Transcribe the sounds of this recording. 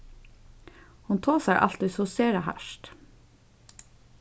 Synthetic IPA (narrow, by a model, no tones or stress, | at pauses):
hʊnt̪ʰoːsæːʔɑ̰lt̪ɪsʊseːɾɑhæ̰ʃt